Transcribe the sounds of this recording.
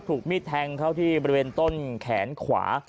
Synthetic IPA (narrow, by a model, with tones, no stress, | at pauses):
t̪ʰuː˨˩k̚miː˥˩t̪ʰːɛ˧ŋkʰa˥˩wt̪ʰiː˥˩bɔ˧ɾi˧weː˧nt̪o˥˩nkʰɛː˩˦nkʰwa̰ː˩˦